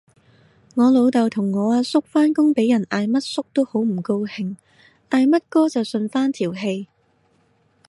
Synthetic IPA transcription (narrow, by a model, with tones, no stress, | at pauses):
ŋɔː˨˧lo˨˧wt̪ɐ˨wt̪ʰʊ˨˩ŋːɔː˨˧aː˧sʊ˥k̚faː˥nkʊ˥ŋpe˨˥jɐ˨˩nʔaː˨˧jmɐ˥t̚sʊ˥k̚t̪o˥who˨˥wm̩˨˩ko˧whɪ˨˩ŋ | ʔaː˧jmɐ˥t̚kɔː˥t͡sɐ˨wsɵ˧nfaː˥nt̪ʰiː˨˩wɦe˧j